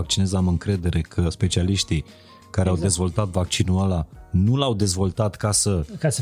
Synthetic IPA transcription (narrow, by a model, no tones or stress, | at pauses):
ak̚t͡ʃinezamɨŋkɾe̞d̪e̞ɾʔe̞kʰəspe̞t͡ʃialiʃt̪i | kaɾeawd̪e̞zvo̞lt̪at̪vak̚t͡ʃinualanulawd̪e̞zvo̞lt̪at̪kasəka